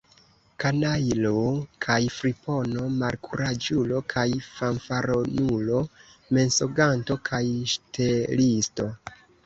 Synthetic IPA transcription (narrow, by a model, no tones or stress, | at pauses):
kanajlokʰajfɾipo̞no̞maɾkʰuɾad͡ʒulo̞kʰajfanfaɾonulo̞me̞nso̞ɡanto̞kʰajʃtelisto̞